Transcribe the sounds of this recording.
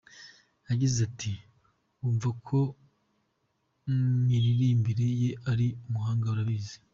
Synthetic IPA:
jaɟizatʰi | uːɱvakʰo̞ | miɾiɾiːmbiɾe̞je̞ʔaɾiumuɦaːŋɡauɾaβiːze

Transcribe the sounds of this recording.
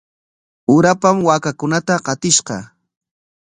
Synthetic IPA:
ʊɾapamwakakʊnat̪aqɑt̪ɪʃqɑ̰

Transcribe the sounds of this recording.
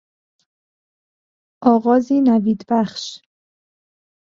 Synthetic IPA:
ʔɒːɣɒːziːnæviːd̪bæχʃ

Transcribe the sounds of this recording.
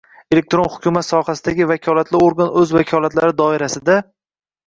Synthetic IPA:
ele̞k̚t̪ɾo̞nhʊkʲumat̪sɒhasɪd̪aɡʲɪvakʲʰɒlat̪ʰlɪoɾɡanɵzvakʲʰɒlˠat̪laɾɪd̪ɒɪɾasɪd̪a

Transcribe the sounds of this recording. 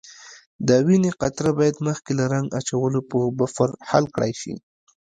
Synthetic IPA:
d̪əwineqat̪ɾabɑjad̪məxkelaɾaŋɡat͡ʃawəlopəbafaɾhalkɽa̰jʃḭ

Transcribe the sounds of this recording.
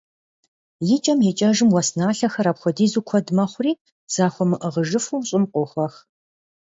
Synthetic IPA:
jɪt͡ʃʼɐmjɪt͡ʃʼɐʒɨmwɔsnaːɬɐxɐraːpxʷɔdiːzukʷʰɔdmɐχʷʊriː | z̥aːxʷɔmɨʔəʁəʒɨfuɕʼɪmqʷʼʊxʷɐx

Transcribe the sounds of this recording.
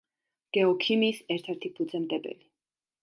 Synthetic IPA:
ɡ̥ɛɔkʰimiːsɛɾt̪ʰɛɾt̪ʰipʰud̪zɛmd̪ʼɛbɛ̰li

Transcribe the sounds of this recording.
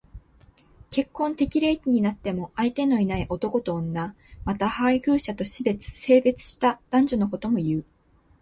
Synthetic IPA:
ke̞kːõ̞nt̪e̞kʲiɾe̞t̪ʲiɲ̟inat̪ːe̞mo̞ʔait̪e̞no̞inaiʔo̞t̪o̞ko̞t̪o̞ːnːa | mat̪ahaihɯ̟ːɕat̪o̞ɕibe̞t͡sɨ̥se̞ːbe̞t͡sɨ̥ɕi̥t̪ad̪̥ãɲ̟d͡ʑonoko̞t̪o̞mo̞jɯ̟ː

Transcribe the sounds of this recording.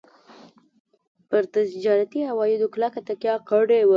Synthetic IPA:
pəɾt̪asd͡ʒɑɾat̪ihawɑjɪd̪oklakat̪akjɑqəɽewə

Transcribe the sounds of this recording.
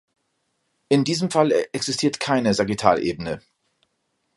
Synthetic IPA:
ʔɪndiːzəmfalʔɛksz̥ɪstʰiːɐtkʰaɪnəzaʁitʰa̰ːlʔḛːbənə

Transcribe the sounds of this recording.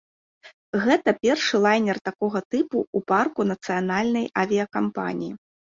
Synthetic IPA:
ɣɛt̪ɐpʲɛrʂɨlˠajnʲɛrt̪akɔɣɐt̪ɨpuːparkunɐt̪sɨjan̪alʲnɐjavʲiɐkampa̰nʲiji

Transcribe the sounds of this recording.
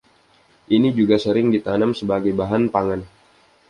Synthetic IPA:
ʔinid͡ʒuɡasəɾɪŋdit̪anamsəbaɡajbaɦanpaŋan

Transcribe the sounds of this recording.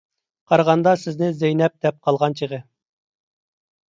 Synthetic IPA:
qʰɑɾʁɑnd̪ɑsɪznɪzɛjnɛp̚d̪̥ɛp̚qʰɑlˠʁɑnt͡ʃʰiʁə

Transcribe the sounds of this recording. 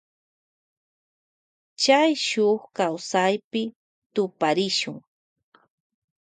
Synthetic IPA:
t͡ʃajʃoχkawsajpɪ | t̪ʊpaɾɪʃʊŋ

